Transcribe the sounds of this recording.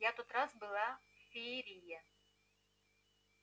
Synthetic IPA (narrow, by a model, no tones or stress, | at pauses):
jat̪ot̪rasbɨlˠafʲeɾʲijɐ